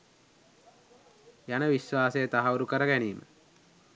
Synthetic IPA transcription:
janəʋiʃwaːsəjət̪aɦauɾukəɾəɡæniːmə̰

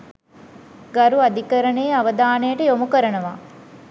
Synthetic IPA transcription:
ɡɐɾuɐd̪ikɐɾɐɳeːɐʋɐd̪aːnejːʈəjomukɐɾɐnɐʋaː

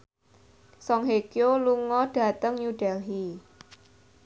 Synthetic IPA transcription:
sɔŋɦekjoluŋɔɖ̥ä̤t̪əŋjuɖ̥ɛlɦi

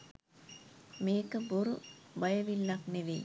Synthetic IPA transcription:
meːkːɐboɾubɐjɐʋilːakneʋe

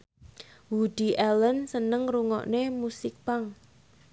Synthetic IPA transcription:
wud̪̥iʔɛlənsənəŋɾuŋɔ̰ʔnemusɪk̚paŋ

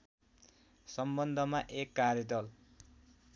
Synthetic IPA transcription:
sʌmbʌnd̪ʱʌmaʔekːarjʌd̪ʌl

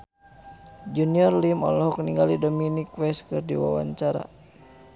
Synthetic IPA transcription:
d͡ʒuniɔrlimɔ̰lɔɦɔk̚niŋɡalidɔminikwɛskɨrdiwa̰wa̰ɲt͡ʃaɾa̰

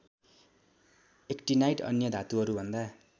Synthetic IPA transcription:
ekʈinajʈʌ̰njʌd̪ʱat̪uɦʌɾubʱʌnd̪a

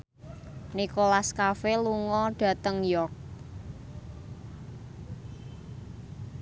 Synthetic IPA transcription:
nikolaskafeluŋɔɖ̥ä̤t̪əŋjɔrk̚

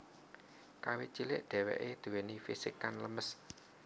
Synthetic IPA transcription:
kawet͡ʃilɪʔɖ̪̥ɛ̤wɛ̰ʔed̪̥ṳwenifisikanləməs

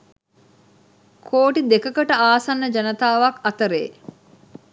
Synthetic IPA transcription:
kʰoːʈid̪ekəkəʈəaːsɐnːəd͡ʒɐnət̪aːʋɐkɐt̪əɾḛː

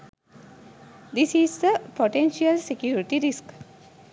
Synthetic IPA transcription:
d̪isiːsd̪əpoʈẽnʃiəlsekjuːɾiʈiɾisk

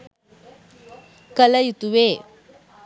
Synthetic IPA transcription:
kələjut̪uʋe

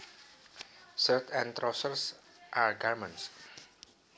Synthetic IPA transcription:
sərt̪ʰɛ̃nt̪ɾɔsərs | ʔaɹɡaɹmə̃ns

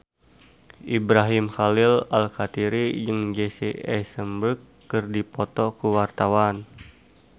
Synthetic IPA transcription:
ʔibɾaɦimxalilalkat̪iɾid͡ʒɨŋd͡ʒesḭɛsəmbəkːɨrdipɔt̪ɔkuwart̪awan

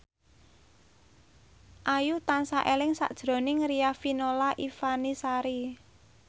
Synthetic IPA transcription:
ʔajut̪ansaʔelɪŋsa̰ʔd̥ʒ̥ɾo̤nɪŋrijafinolaʔifanisaɾi

